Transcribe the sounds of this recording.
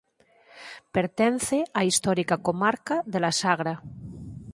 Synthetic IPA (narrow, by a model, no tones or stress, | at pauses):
peɾt̪enθeaist̪oɾikakomaɾkaðelasaɣ̞ɾa